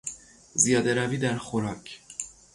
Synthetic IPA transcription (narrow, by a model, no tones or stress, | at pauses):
zijɒːd̪e̞ɾæviːd̪æɾxoɾɒːcʰ